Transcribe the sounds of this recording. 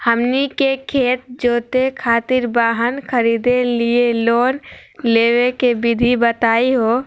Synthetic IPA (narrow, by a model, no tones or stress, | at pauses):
həmnikekʰeːt̪̚d͡ʒoːt̪ekʰaːt̪ɪɾbaːɦənkʰəɾiːd̪elieloːnleːʋekebɪd̪ʱibət̪aːiɦoː